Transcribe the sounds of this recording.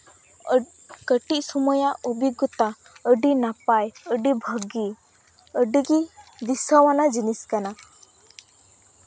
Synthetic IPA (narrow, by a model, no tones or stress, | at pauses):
kəʈiʔ̚sɔmɔjaʔubiɡɔt̪a | əɖinapajəɖibʱəɡi | əɖiɡid̪isawanad͡ʒiniskana